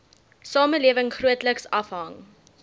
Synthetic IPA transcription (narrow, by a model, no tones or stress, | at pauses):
sɑːməliəvəŋχruətləksɐfɦɐŋ